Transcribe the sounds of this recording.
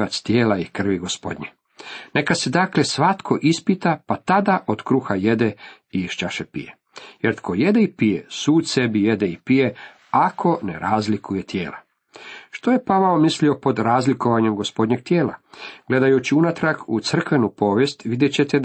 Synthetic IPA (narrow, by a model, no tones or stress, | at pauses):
at̪st̪jeːlaikr̩ʋiɡospo̞̰d̪ɲe | ne̞kase̞d̪akle̞sʋat̪kʰo̞ʔispit̪apat̪ad̪aʔod̪kɾuːxaje̞d̪e | iʃt͡ʃaʃepḭje | jeɾt̪kʰoje̞d̪eipijesuːt̪sebijed̪eipije | akʰo̞nḛɾaːzlikʰuje̞t̪jeːla̰ | ʃt̪o̞je̞paʋaomislio̞po̞d̪ɾaːzlikoʋaɲemɡo̞spo̞d̪ʲɲeɡ̥̚t̪jeːla̰ɡ̥le̞d̪ajut͡ɕiunat̪ɾaɡut̪sr̩kʋe̞nupo̞ːʋjest̪ʋid̪jet͡ɕet̪e